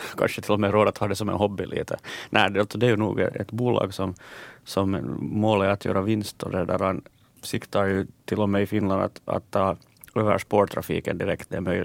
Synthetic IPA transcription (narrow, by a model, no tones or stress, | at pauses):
kʰɑ̰nʂət̪ʰɪlːɔmeɾoːd̪ət̪hɑːd̪ɛsɔmɛ̰nhɔbːɪlʔḭːt̪ənʔæɪd̪ɛɑlt̪sɔd̪ɛæɾjʉnṵːɡɛ̰ɛ̰t̪buːlɑ̰ːɡsɔmsɔmmoːlæɾat̪ʰjø̰ːɾɑʋɪnst̪ɔdɛdæɾhɑn | sɪkt̪ɑɾjʉt̪ʰɪlːɔmɛɪfɪnlɑnd̪a̰t̪ɑ̰t̪ːɑː | øʋæ̰ʂpoːɾʈ̪ʰɾafḭːkənd̪ɪɾɛkt̪ɛmœ